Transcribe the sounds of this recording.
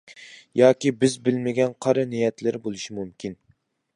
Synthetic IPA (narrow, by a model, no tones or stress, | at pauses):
jɑːkʲibɪzbɪlmɪɡʲɛnqʰɑɾɨnijɛt̪lɪɾbolˠuʃimumkʲʰin